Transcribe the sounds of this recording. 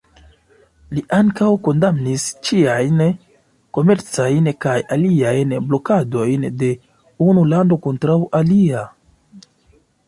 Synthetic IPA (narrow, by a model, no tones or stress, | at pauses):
liʔaŋkawko̞ndamnist͡ʃiajn | ko̞me̞ɾt͡sajnkajaliajnblo̞kado̞jnde̞ | unulando̞ko̞ntɾawʔalia